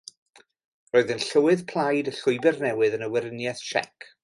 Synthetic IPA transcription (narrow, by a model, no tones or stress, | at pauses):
roːɨðənɬəwɨðpʰlˠajdəɬʊɨbɛrnɛwɨðənəwɛɾənjɛθʃɛ̰kʰ